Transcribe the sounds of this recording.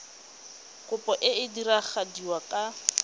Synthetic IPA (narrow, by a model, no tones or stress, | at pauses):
kʼʊpɔʔɪɪdirak͡xʰadiwakʼa